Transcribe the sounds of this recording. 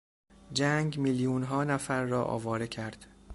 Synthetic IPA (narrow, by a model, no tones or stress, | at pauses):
d͡ʒæŋɡmiljuːnɦɒːnæfæɾːɒːʔɒ̰ːvɒːɾecʰæɾd̪̥